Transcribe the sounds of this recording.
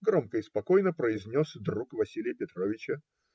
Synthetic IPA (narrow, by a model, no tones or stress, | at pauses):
ɡɾo̞mkəɪspɐko̞jnəpɾəɪzʲnʲo̞sd̪ɾukvɐsʲilʲɪjəpʲɪt̪ɾovʲɪt͡ɕə